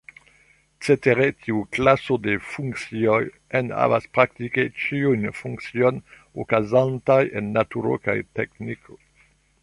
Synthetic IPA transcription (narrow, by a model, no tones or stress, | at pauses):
set̪eʁet̪ʰiuklasod̪efuŋksjɔj | ɛna̰βa̰spɾak̚t̪iket͡ʃiunfũŋksjɔn | okazãnt̪ajenːat̪uɾo̰ka̰jt̪ɛknikʰo